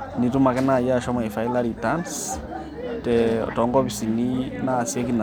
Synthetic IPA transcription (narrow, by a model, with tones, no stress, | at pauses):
ni˨tu˦ma˨kɛ˦na˨ja˦ʃɔ˦ma˨ifajlaɾitans | tɛ̰tɔ˨ŋɡɔ˦pi˨sininaːsie˦kina˨